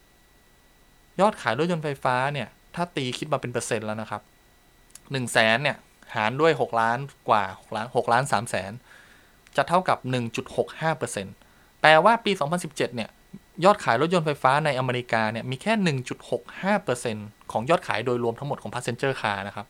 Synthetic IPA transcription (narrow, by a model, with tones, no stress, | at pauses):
jɔː˥˩t̪̚kʰaː˩˦jɾo˦˥t̪̚jo˧nfa˧jfaː˦˥ni˥˩ɐ | t̪ʰaː˥˩t̪iː˧kʰi˦˥t̪̚maː˧pe˧npɤː˧se˧nlɛ˦˥wna˦˥kʰa˦˥p̚ | nɯ˨˩ŋsɛː˩˦nːi˥˩ɐ | haː˩˦ndu˥˩əjɦo˨˩k̚laː˦˥nkwaː˨˩ho˨˩k̚laː˦˥nho˨˩k̚laː˦˥nsaː˩˦msɛ̰ː˩˦n | t͡ɕa˨˩t̪ʰa˥˩wka˨˩p̚nɯ˨˩ŋt͡ɕu˨˩t̪̚ho˨˩k̚haː˥˩pɤː˧se˧n | t̪ɛː˨˩waː˥˩piː˧sɔː˩˦ŋpʰa˧nsi˨˩p̚t͡ɕe˨˩t̪̚ni˥˩ə | jɔː˥˩t̪̚kʰaː˩˦jɾo˦˥t̪̚jo˧nfa˧jfaː˦˥na˧jʔa˧meː˧ɾi˧˥kaː˧ni˥˩miː˧kʰɛː˥˩nɯ˨˩ŋt͡ɕu˨˩t̪̚ho˨˩k̚haː˥˩pɤː˧se˧nkʰɔː˩˦ŋjɔː˥˩t̪̚kʰaː˩˦jdoː˧jɾu˧əmt̪a˦ŋmo˨˩t̪̚kʰɔ˩˦pʰa˦˥t̚se˧nt͡ɕɤː˥˩kʰaː˧na˦˥kʰa˦˥p̚